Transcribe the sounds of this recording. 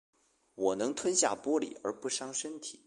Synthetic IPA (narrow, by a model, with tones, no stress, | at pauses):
wɔ˨˩nɤ˧˥ŋt̪ʰwə˥nɕja̰˥˩pwɔ˥lḭ˨˩ə̰˞˧˥pu˥˩ʂɑ˥ŋʂə˥nt̪ʰi˨˩˦